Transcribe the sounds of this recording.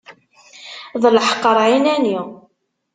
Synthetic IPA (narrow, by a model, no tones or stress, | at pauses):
ðˤləħqːəɾˤʕinæni